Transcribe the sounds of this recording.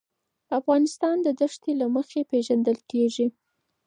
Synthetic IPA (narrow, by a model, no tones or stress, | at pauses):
afɣɑnɪst̪ɑnd̪əd̪əʂt̪elaməxepeʒand̪əlkeʐi